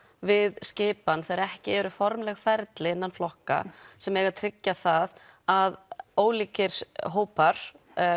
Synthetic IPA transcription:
vɪðscɪːpanθɛɾɛhcɪɛɾʏfɔɾmlɛɣfɛɾt̪lɪɪnːanflɔhka̰sɛmɛːɣat̪ʰɾɪcːaθað | aðoːwliːcɪɾ̥ɦoːwpaɾ̥

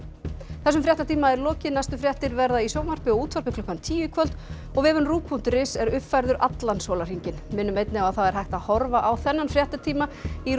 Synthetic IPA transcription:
θɛs̬ʏmfɾjaht̪at̪iːmaɛɾlɔːcɪnajst̪ʏfɾjaht̪ɪɾvɛɾðaisoːwmar̥pɪɔuːt̪ʰvaɾpɪkʰlʏkːant̪ʰiːjʏkʰvœl̥t̪ | ɔɣvɪːvʏnruːkʰun̥t̪rɪsɛɾʏfajɾðʏɾʔat̪lanshoːlar̥iɲcɪnmɪːnʏmejt̪nɪawaðθaðɛɾ̥hajht̪aðhɔɾvaʔawθɛnːanfɾjaht̪at̪ʰiːmai

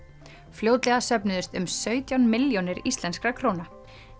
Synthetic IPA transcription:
fljowt̪lɛɣasœpnʏðʏst̪ʏmsœːɥt̪jawnmɪljonɪɾist̪lɛnskɾakʰɾoːna

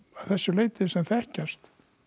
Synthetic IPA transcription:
ḁθɛsːʏleːjt̪ɪsɛmθɛhcast̪

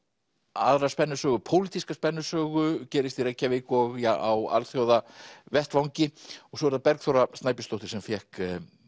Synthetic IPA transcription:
a̰ðɾaspɛnːʏsœːɣʏpʰowlit̪iskaspɛnːʏsœːɣʏcɛːɾɪst̪irejcːavɪkɔɣjaa̰wa̰lθjowðavɛht̪vawɲcɪɔɣsɔvɛɾðapɛɾkθowrast̪naːjpɪnst̪owht̪ɪ̥sɛmfjɛhk

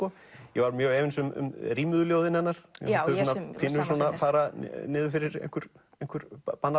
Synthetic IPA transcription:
ɔ | jɛvaɾmjœːɣɛːvɪnsʏmʏ̰mriːmʏðʏljoːwðɪnɛnːaɾ̥̰θœsɔnafɪnːʏsɔːnapaːɾanɪːðʏfɪɾɪɾḛjŋkʏɾ̥ | ejn̥ŋkʏɾ̥panːa

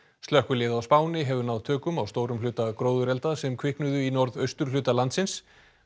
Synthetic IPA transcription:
st̪œhkʏlɪːðaawspaːwnɪɦɛvʏnawðt̪ʰœːkʏmawst̪oːwɾʏmlʏːt̪akɾoːwðʏɾɛlt̪aðsɛmkʰvɪhknʏðʏinɔɾðœɥst̪ʏɾ̥lʏːt̪alant̪sɪns

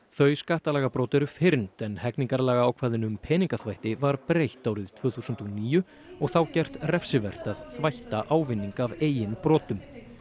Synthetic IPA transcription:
θœɥskaht̪alɛːɣapɾɔːt̪ɛɾʏfɪɾnt̪ɛnhɛkniŋkaɾlɛːɣaaːwkʰvaːðɪnʏmpʰɛːniŋkaθvajht̪ɪvaɾpɾejht̪aːwɾɪð̥t̪ʰvœːθusʏnt̪ɔniːjʏ | ɔɣθawcɛr̥t̪rɛfsɪvɛr̥t̪aðθvajht̪aʔaːwvɪnːiŋkaveːjɪnpɾɔːt̪ʏm

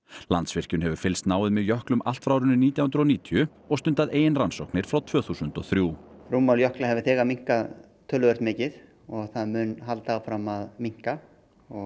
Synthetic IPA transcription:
lant̪svɪr̥cʏnɦɛvʏɾ̥fɪlst̪naːwɪðmɛðjœhklʏmʔa̰l̥t̪fɾaːwɾʏnʏniːt̪jawʏnɾɔniːt̪ʰjʏ | ɔɣst̪ʏnt̪aðeːjɪnransowknɪɾ̥fɾawt̪ʰv̥œːθusʏnt̪ɔθɾjuːruːmaljœhklaɦɛvɪθɛːɣamiŋ̥ka | t̪ʰœːlːʏvɛɾt̪mɪːcɪð | ɔɣθaðmʏnɦalt̪aːwfɾamːaðmiŋ̥ka | ɔɣ

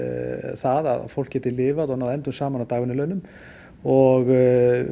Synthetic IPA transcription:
θaːða̰ð̰fɔl̥kɛt̪ʰɪlɪːvaðɔhanhaðɛnt̪umsaːmanat̪ɑːɣvɪnɪlœɥnʏm | ɔɣ

